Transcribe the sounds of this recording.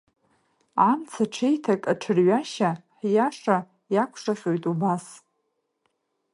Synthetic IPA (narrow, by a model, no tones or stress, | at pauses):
amt͡sʰaʈ͡ʂʰejtʰakʼaʈ͡ʂʰɨrɥaʃaħjaʂa | jakʷʰʂaχʲʼojtʼubas